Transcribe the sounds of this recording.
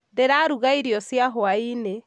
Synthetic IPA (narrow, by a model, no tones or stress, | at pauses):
ndeɾaɾuɣaiɾjɔsjaɦoaine